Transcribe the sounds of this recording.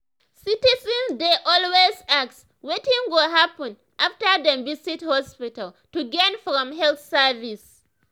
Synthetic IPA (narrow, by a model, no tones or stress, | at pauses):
sitizɛ̃nzdeʔɔlwezaks | wetĩnwoɦapə̃n | ʔaftə˞dɛ̃bisithɔspital | tuɡɛ̃nfɹɔ̃mɦɛlθsɛvis